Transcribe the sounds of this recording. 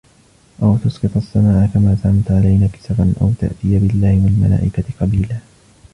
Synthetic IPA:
ʔawt̪ʊsqɨt̪ˤasːamaːʕʔakamaːsaʕamt̪ʕalajnaːkɪ̥sabanʔa̰wt̪a̰ʔt̪ɪjabɪlːaːhɪmɪlma̰la̰ːʔɪkaqɑbiːlaː

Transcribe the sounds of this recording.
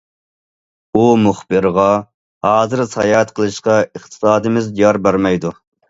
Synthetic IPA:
umuχbɨɾʁɑ | hɑːzɨɾsɑjɑt̪qʰəlˠɨʃqɑəχt̪ʰɨ̥sɑːd̪ɨmɪzijɑɾbæɾmɛjd̪u

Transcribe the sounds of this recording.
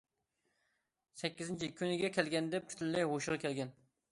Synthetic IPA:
sɛkʲːizɪnt͡ʃʰikʲʰynɪɡʲɛkʲʰɛlɡʲɛnd̪ɛp̚k̪ʲʰy̥t̪ʰylːɛjɦoʃʁɑkʲʰɛlɡʲɛn

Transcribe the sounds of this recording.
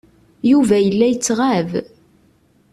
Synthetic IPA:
juvæjəlːæjət͡sːʁav

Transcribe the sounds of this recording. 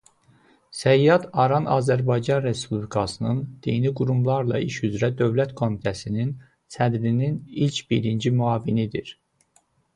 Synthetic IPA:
sæjːɑd̪ɑɾɑnɑːzæɾbɑjd͡ʒɑnɾe̞spʰublikʰɑsɯnɯnd̪̥ijniɡuɾumlˠɑɾlˠɑ̰ʔiʃyzɾæd̪ø̞vlæt̪kʰo̞mit̪ʰæsinin | sʰæd̪ɾininilcʰbiɾind͡ʒimyɑːvinid̪iɾ

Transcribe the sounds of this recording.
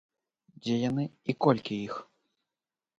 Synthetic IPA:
d͡zʲɛjanɨikɔlʲkʲiix

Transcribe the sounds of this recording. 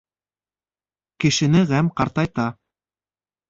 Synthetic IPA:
kɘ̆ʃɘ̆nɘʁæmqɑɾt̪ɑjt̪ɑ

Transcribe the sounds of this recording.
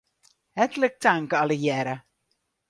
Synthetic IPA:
hɛtələk̚taŋkəɑləjɛɾə

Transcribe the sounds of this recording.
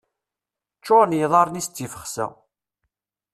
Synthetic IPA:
t͡ʃːoɾnjðˤɑɾˤnist͡s̪ːifə̥χsæ̰

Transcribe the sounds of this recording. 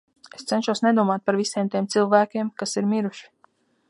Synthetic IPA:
est̪sɛnʃuwsnɛd̪uɔmaːt̪̚paɾvisiɛːmt̪iɛmt̪silˠvæːkʲeɛmkasiɾmiɾuʃi̥

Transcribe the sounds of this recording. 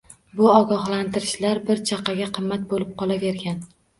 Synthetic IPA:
bʊɒɡɒhlant̪ɪɾɪʃlaɾbɪɾt͡ʃʰaqʰɑɡʲaqʰɨmːat̪̚bolɪp̚qʰɒlˠave̞ɾɡʲan

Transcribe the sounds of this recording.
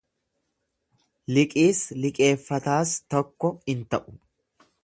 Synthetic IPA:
lɪkʼiːslɪkʼe̞ːfːɐt̪aːst̪ɔkːɔɪnt̪ɐʔʊ̥

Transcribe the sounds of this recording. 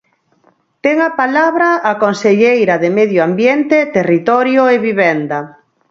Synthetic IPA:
t̪ɛŋapalaβɾaakonseʎejɾɐðemeðjoambjent̪et̪erit̪ɔɾjoeβiβɛnd̪a

